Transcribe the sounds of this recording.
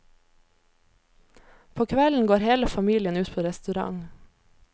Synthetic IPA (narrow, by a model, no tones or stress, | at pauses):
pʰoːkʰʋɛln̩ɡoːɾheːləfɑmiːlɪənʉːt̪pʰoːɾɛst̪ʉɾɑ̰ŋ